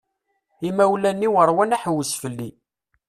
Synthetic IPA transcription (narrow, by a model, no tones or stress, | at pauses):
imæwlænːiwəɾˤwænæħəwəsfəlːi